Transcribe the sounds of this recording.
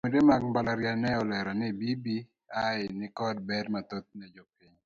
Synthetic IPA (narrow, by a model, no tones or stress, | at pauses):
medemaɡ̚balaɾjanɛɔlɛɾanɪbibi | aɪnɪkɔd̚bɛdmat̪ot̪̚nɛd͡ʒɔpiɲ